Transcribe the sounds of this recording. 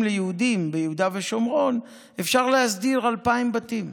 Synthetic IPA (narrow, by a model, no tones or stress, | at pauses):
mlejeud̪imbejehud̪aveʃomʁo̞n | e̞fʃaʁlehasd̪iʁalpaimbat̪im